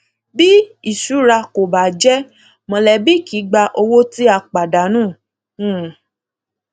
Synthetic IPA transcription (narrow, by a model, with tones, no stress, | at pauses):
bi˦i˨ʃu˨˦ɾa˧ko˨ba˨d͡ʒɛ˦ | mɔ̃˧lɛ˨bi˦ki˨˦ɡ͡ba˧ʔo˧wo˦ti˦a˧˨k͡pa˨da˨˦nũː˦˨ | ũ˦˨